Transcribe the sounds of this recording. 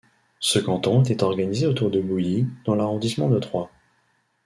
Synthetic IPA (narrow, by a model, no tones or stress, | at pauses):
səkɑ̃t̪ɔ̃ɛt̪ɛt̪ɔʁɡanizeot̪uʁd̪əbujid̪̥ɑ̃laʁɔ̃d̪ismɑ̃d̪ət̪χwa